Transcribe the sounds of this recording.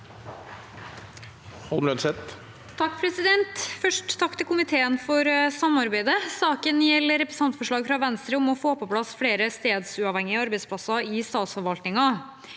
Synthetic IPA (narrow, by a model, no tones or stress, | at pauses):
hɑlmɾœnsɛt̪ | t̪ʰɑkːpʰɾɛsɪd̪ɛnt̪fœʂʈt̪ʰːɑkːt̪ʰɪlkʊmɪt̪ʰeːənfɔɾsɑmɑɾbæɪd̪əsɑːkənjɛlːəɾɛpɾəsɑnt̪fɔʂɭɑːɡfɾɑʋɛnst̪ɾəɔmɔfoːpʰɔpʰlɑsfɽeːɾəst̪eːd̪sʉɑːʋhɛŋːɪɑɾbɛɪspʰlɑsɑɪst̪ɑːt̪sfɔɾʋɑlt̪nɪŋɑ